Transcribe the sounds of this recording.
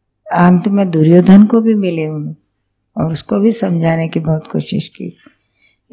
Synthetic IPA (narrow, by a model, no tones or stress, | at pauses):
ãːnt̪mẽd̪uːɾjoːd̪ʱənkobʱimɪleɦũ | ɔːɾʊskobʱisɐ̃md͡ʒʱaːnekibɔɦʊt̪ko̰ːʃɪ̰ʃkḭː